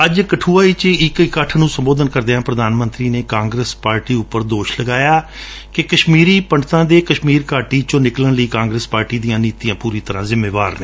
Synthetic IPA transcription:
əd͡ʒkəʈʰuːaːiːt͡ʃɪkkəʈʰnũːsəmboːd̪ənkəɾd̪eːãːpɾəd̪aːnmə̃nt̪ɾiːneːkãːŋɡɾeːspaːɾʈiːʊpːəɾd̪oːʃləɡaːjaː | kekəʃmiːɾiːpəɳɖt̪ãːd̪eːkəʃmiːɾkaːʈiːt͡ʃõːnɪklənləiːkãːŋɡɾeːspaːɾʈiːd̪ijãːniːt̪ijãːpuːɾiːt̪əɾãːzɪmːeːʋaːɾneː

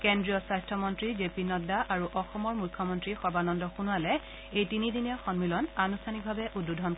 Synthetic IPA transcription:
kendɹijɔsajstʰɔmɔntɹizepinɔdaʔaɹuʔɔxɔmɔɹmujkʰːɔmɔntɹixɔbanɔndɔxunualɛ | ejtinidiniaxɔnmilɔnanustʰaniɡ̚bʱabɛʔudːudʱɔn

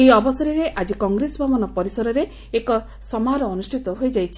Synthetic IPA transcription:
ejɔbɔsɔɾiɾeʔad͡ʒikɔŋɡɾesɔbʱɔbɔnɔpɔɾisɔɾɔɾe | ekɔ | sɔmaɾɔːnusʈʰit̪ɔɦojd͡ʒajt͡ʃʰi̥

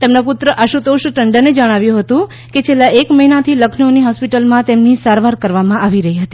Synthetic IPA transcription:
t̪emnoput̪ɾəʔəʃut̪oʃʈəɳɖəned͡ʒəɽ̃aʋjũɦət̪ũ | ket͡ʃʰelːaekməɦinat̪ʰiləkʰnəoniɦɔspiʈəlmãt̪emnisaɾʋaɾkəɾʋamãʔaʋiɾəɦiɦət̪i

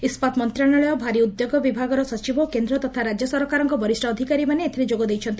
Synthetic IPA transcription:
ispat̪mɔnt̪ɾanɔɭɔjɔbʱaɾiud̪joɡɔbibʱaɡɔɾɔsɔt͡ʃibɔkend̪ɾɔt̪ɔt̪ʰaɾad͡ʒjɔsɔɾkaɾɔŋkɔbɔɾisʈʰɔːd̪ʱikaɾimaneːt̪ʰiɾid͡ʒoɡɔd̪ejt͡ʃʰɔnt̪i̥

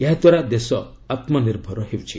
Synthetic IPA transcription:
eɦad̪waɾad̪esɔ | at̪mɔniɾbʱɔɾɔɦewt͡ʃʰi

